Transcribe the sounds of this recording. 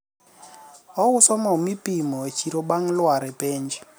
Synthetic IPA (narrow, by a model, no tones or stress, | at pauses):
ɔusɔmaumipimɔwet͡ʃʰiɾɔɓaŋlwaɾɛpɛːnd͡ʒi